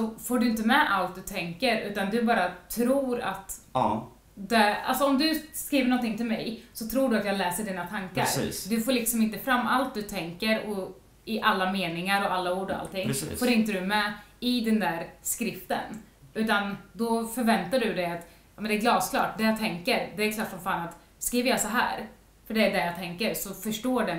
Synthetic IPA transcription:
sɔfoːɖɵɪnt̪̬əmɛʔalt̪̚d̪ɵt̪ʰɛŋkəɾʉ̟ːt̪and̪ɵbɑːɾat̪ʰɾuːɾa̰t̪ | d̪ɛa̰lsɔɔmd̪ɵskɾiːvəɾɳɔnt̪ɪŋt̪ɪlmɛ̰jsɔt̪ʰɾuːɖɵat̪jɑːɡlɛːsəɖiːnat̪ʰaŋka̰ɾ̰ːd̪ɵfoːlɪksɔmɪnt̪əfɾamːalt̪̚d̪ɵt̪ʰɛŋkəɾɔ | ɪʔalːameːnɪŋaɾɔʔalːauːɖɔa̰lt̪ɪŋ̰ːfoːɾɪnt̪əd̪ɵmɛɪd̪ɛnd̪æːɾskɾɪft̪ə̰n | ʉ̟ːt̪and̪ɔfœɾvɛnt̪aɖɵd̪ɛjat̪ | jɑːmɛnd̪ɛːɾɡlɑːskʰlɑ̰ːʈ̚d̪ɛjɑt̪ʰɛŋkəɾd̪ɛæɾkʰlɑːʈ̪fɾɔnfaːnat̪ | skɾiːvəɾjɑsaɦæ̰ːɾ | fœɖɛæɖɛjɑːt̪ʰɛŋkəɾsɔfœʂʈoːɖɛ

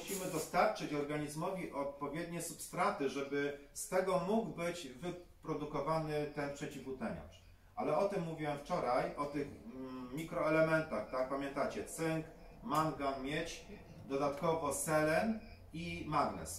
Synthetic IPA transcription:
ɕimɘd̪ɔst̪aɾt͡ʂɘt͡ɕɔɾɡaɲizmɔvʲiʔɔt̪̚pɔvʲjed̪ɲɛsupst̪ɾat̪ɘʐɛbɘst̪ɛɡɔmuɡbɘd͡ʑvɘpɾɔd̪ukɔvanɘt̪ɛnpʂɛt͡ɕivut̪ɛɲa̰ʂ | ʔalɛɔt̪ɘmːuvʲiwɛft͡ʂɔɾajʔɔt̪ɘxmʲikɾɔɛlɛmɛnt̪axt̪ak̚pamʲjɛnt̪at͡ɕɛt̪sɘŋk | maŋɡanmʲjet͡ɕ | d̪ɔd̪at̪kɔvɔsɛlɛn | imaɡlɛ̰s

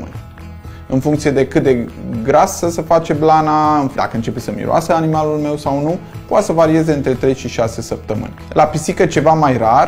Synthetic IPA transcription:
mɨ̰nʲ | ɨnfuŋkt̪sije̞d̪e̞kɨt̪̚d̪e̞ɡɾasəsəfat͡ʃe̞blanaɨnd̪a̰kəɨnt͡ʃepesəmḭɾo̰a̰səanimalulme̞wsawnupoat̪səvaɾie̞ze̞ɨnt̪ɾe̞t̪ɾe̞jʃiʃase̞səp̚t̪əmɨ̰nʲlapisikət͡ʃe̞vamajrar

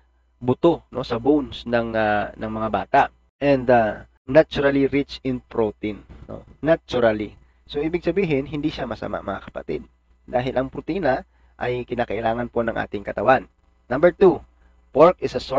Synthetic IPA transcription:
bʊt̪ono̞sɐbonsnɐŋanɐŋmɐŋabaːt̪aʔ | ʔɛnd̪ɐ | nat͡ʃʊɾɐliɾɪt͡ʃɪnpɹot̪ĩnno̰ːat͡ʃʊɾɐli | so̞ʔiːbɪɡ̚sɐbiːɦɪnɦɪnd̪iːʃamɐsɐ̰ma̰ʔɐmɐŋakɐ̥pɐ̰t̪ɪ̰d̪̚ | d̪aːɦɪlʔɐŋpɾʊt̪iːnɐ | ʔɐjkɪnaːkɐʔɪlaːŋɐnpo̞nɐŋʔa̰ːt̪ɪŋkɐt̪ɐwanː | ɐmbɛɹt̪u | poɹkɪsɐs

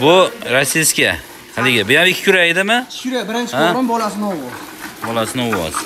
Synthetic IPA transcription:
bʊɾasiskʲa̰ | halɪɡʲɪbʊjamɪkʲʰːɪ̥kʰʲʊɾaɪd̪ɪmɪ̥ɾabɪɾɪnt͡ʃʰɪaɾɪmbɒlasɪnɪɒwɒz | bɒlasɪnɪɒwɒ̰z̥

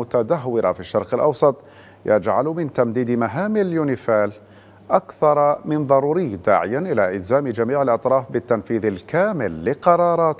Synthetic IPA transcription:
ʊt̪ad̪aɦwɪɾa̰fiʃːɑɾˤqɪlʔɑwsˤɑt̪ˤ | ja̰d͡ʒʕalmɪnt̪amd̪iːd̪maɦaːmɪljuːnɪfaːl | ʔakθɑɾˤmɪnðˤɑɾˤuːɾɪjːd̪a̰ːʕɪjanʔɪlaʔɪlzaːmd͡ʒamiːʕɪlʔɑt̪ˤɾˤɑːfbɪt̪ːanfiːðɪlkaːmɪlːɪqɑɾˤɑːɾˤɑːt̪

